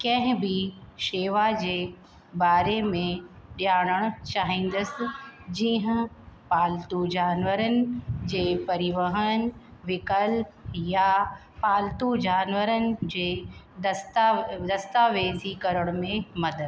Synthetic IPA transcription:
kɐ̃ɦɪ̃bʱɪʃeːʋad͡ʑeː | baːɾemẽɗjaːɽ̃əɽ̃ʊ̆t͡ɕaːɦĩːn̆d̪əsɪ̆d͡ʑiːɦə̃paːlt̪ud͡ʑaːnʋəɾənɪ̆d͡ʑeːpɐɾɪʋəɦənɪ̆ʋɪkəlp̚ja | paːlt̪ud͡ʑaːnʋəɾənɪ̆d͡ʑeː | st̪d̪ɐst̪aːʋeːzikɐɾəɽ̃ʊmẽmɐd̪əd̪

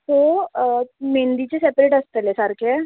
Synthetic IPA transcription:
t̪o | mẽːnd̪it͡ɕesɛpɾeːʈɐst̪elesaɾkɛ

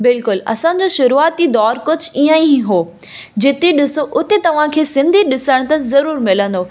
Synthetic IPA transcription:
bɪlkʊlɐ̰sã̆d͡ʑoːʃʊɾuaːt̪id̪ɔːɾkʊd͡ʑʱʊiːãĩɦoː | d͡ʑɪt̪eɗɪsoʔʊt̪et̪ɐʋ̤ãkʰeːsɪ̃nd̪ʱiɗɪsəɽ̃t̪ɐzɐɾuːɾmɪlə̃nd̪oː

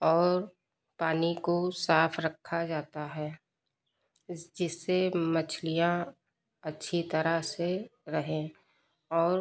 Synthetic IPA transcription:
ɔːɾ | paːnikosaːpʰɾəkʰːad͡ʒaːt̪aɦɛː | d͡ʒɪsːemət͡ʃʰlijã | ɐtːʃʰit̪əɾəseɾɐɦẽ | ɔːɾ

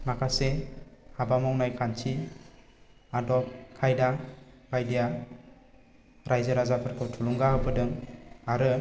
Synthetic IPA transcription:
makʰasehabamɔwnajkʰant͡ʃʰi | adɔkʰajdaɡajdija | ɾajzɯɾazapʰɯɾkʰɯwtʰuluŋɡaɦɯbɯdɯŋaɾɯ

